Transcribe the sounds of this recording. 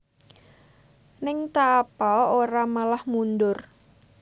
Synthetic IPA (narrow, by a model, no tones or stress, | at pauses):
nɪŋt̪aːpaoɾamalahmundʊr